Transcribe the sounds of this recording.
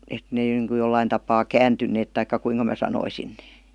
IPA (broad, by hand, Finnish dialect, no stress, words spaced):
et neː niŋku jolːɑin tɑpɑː kæːntynːeːt tɑikːɑ kuiŋkɑ mæː sɑnoisin n̥e̥ː